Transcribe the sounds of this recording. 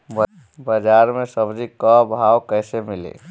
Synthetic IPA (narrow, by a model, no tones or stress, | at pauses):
b | bəd͡ʒaɾmẽsəbd͡ʒikːəbʱawkəːsemɪlḛ